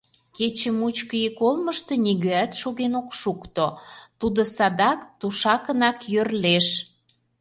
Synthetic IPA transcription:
ket͡ɕəmut͡ɕkəjikolməʃt̪e̽nʲiɣøæt̪ʃoɣenokʃukt̪ot̪ud̪osɑd̪ɑkt̪uʃɑkənɑkjørleʃ

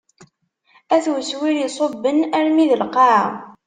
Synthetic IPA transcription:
æθwəswiɾisˤobːənæɾmiðəlqɑʕ

